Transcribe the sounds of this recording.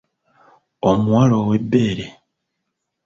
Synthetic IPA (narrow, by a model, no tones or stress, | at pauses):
omuwalowebːeːɾe